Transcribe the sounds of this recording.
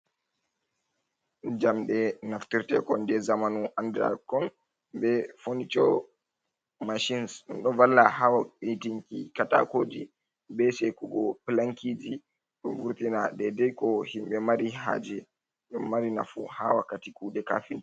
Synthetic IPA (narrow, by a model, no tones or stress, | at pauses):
d͡ʒamɗɛnaftiɾtɛ̰kɔndɛzamanuʔandɾa̰kɔn | bɛfonit͡ʃɔ̰ | maʃinsɔnɗɔvalːahawaɓitiŋkḭkata̰koːdi | bɛsɛkuɡɔplaŋkid͡ʒi | ɗɔvuɾtinadɛdɛjkɔhimɓɛmaɾiɦa̰ːd͡ʒɛ | ɗɔːaɾina̰fṵhawakːatikuːdɛka̰fin